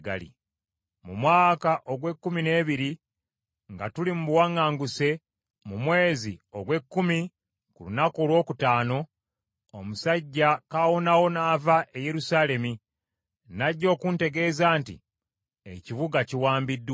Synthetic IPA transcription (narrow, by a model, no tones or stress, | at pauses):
ɡa̰lḭ | mumwaːkaʔo̞ɡwe̞kːumine̞ːβiɾi | ŋɡatulimuβuwaŋːaːŋɡuse̞ | mumwe̞ːzio̞ɡwe̞kːumi | kṵlunako̞ːlwo̞ːkutaːno̞ː | musaɟːakawo̞nawo̞naːvaʔeje̞ɾusaːle̞mi | naɟːo̞ːkunte̞ɡe̞ːzaːntḭ | ḛcivuɡaciwaːmbidːw